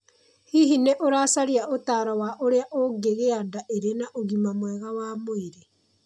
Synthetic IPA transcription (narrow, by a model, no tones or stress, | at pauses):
hiɦineʔoɾaːsaɾjaʔotaːɾawaʔoɾeaʔoɡeɣeandaʔeɾenaʔoɣimamwɛɣawaːmoeɾe